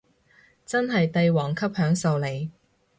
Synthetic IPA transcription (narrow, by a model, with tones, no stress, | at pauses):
t͡sɐ˥nɦɐ˨jt̪ɐ˧jwɔː˨˩ŋkʰɐ˥p̚hœː˨˥ŋso˨˧wle˨˩j